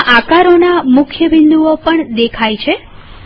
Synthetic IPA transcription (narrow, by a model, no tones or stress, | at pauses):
ʔakaɾonamʊkʰjəbɪnd̪uopəɳd̪ekʰajt͡ʃʰe